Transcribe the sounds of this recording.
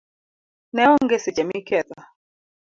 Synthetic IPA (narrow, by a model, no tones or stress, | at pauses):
nɛɔŋɡɛsɛd͡ʒamikɛða